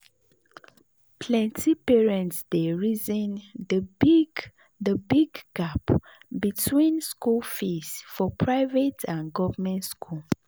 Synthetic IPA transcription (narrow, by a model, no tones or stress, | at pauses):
pʰlɛ̃ntʰipɛɹɛ̃ntsdeɹizɛ̃ndəi | dəbiɡɡapbitʰwĩnskulfisfɔpʰɹaɪvetʰãnɡɔvəmɛ̃ntskʰul